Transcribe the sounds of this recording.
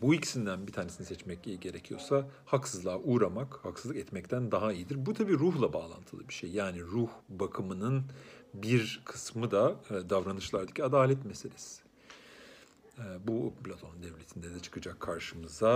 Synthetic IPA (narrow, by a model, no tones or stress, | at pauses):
buici̥sind̪ænbit̪ʰaːnesinisɛt͡ʃmɛcɟe̞ɾecʰijo̞̰sahaksɯzlˠaːʔuːɾamakhaksɯzˠɯkɛt̪mɛct̪ʰænd̪aɦaijid̪iɾbut̪ʰabiːɾuɦlˠabaːlˠa̰nt̪ʰɯlˠɯbiɾʃejːaːniɾuhbakʰɯmɯnɯnbiɾkʰɯsmɯd̪ad̪avɾanɯʃlˠaɾd̪ɯ̥cʰiad̪aːlʲɛt̪meselʲɛs | ɛːbupʰlʲat̪ʰo̞nnd̪ɛvlʲe̞t̪ʰind̪ɛd̪ɛt͡ʃʰɯ̥kʰɯd͡ʒakʰːaɾʃɯmɯza